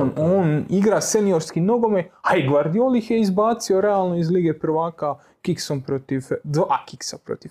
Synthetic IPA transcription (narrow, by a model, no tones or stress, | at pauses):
noːniɡɾase̞nio̞ɾskino̞ɡo̞meaiɡʋaɾd̪iolixjeizbaːt̪sio̞ɾe̞alˠno̞izliːɡe̞pr̩ʋaːka | kiksompɾot̪ifd̪akiksapɾo̰t̪if